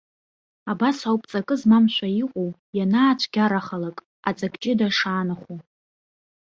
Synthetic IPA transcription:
abasawpʼt͡sʼakʼɨzmamʃʷᶣaiqʷʼowjanaːt͡ʃʷʰɡʲaɾaχalakʼ | at͡sʼaɡʼt͡ʃʼɪdaʂaːnɨχʷu

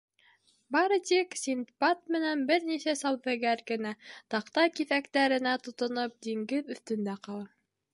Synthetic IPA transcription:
bɑɾɤt̪iksʲint̪pɑt̪̚mɘ̆nænbɘɾnisæsɑwðɘ̆ɡæɾɡɘ̆næt̪ɑqt̪ɑkiðækt̪æɾɘ̆næt̪ŏt̪ŏnɤp̚d̪iŋɡɘðɵ̆θt̪ɵ̆nd̪æqɑlˠɑ

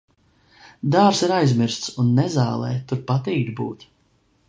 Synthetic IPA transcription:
d̪aːɾsiɾajzmiɾst̪sunːɛzaːlˠɛ̰ːt̪uɾpat̪iːd̪ʲbṵːt̪

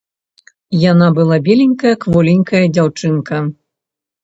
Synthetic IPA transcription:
janabɨlˠabʲelʲinʲkɐjɐkvɔlʲinʲkɐjɐd͡zʲawt͡ʂɨnkɐ

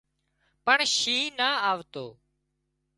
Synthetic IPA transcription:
pəɳʃiːnaːaːʋt̪oː

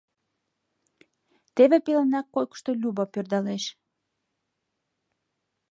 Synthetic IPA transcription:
t̪eβepelenɑkːojkə̥ʃt̪o̽lʲuβɑpørd̪ɑleʃ

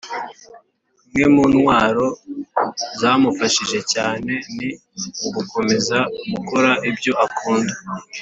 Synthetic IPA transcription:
mŋe̞munwaːɾo̞ | zaːmufaʃiʒe̞caːne̞ni | uɡuko̞me̞zaɡuko̞ɾaʔibjo̞ʔakʰuːnda

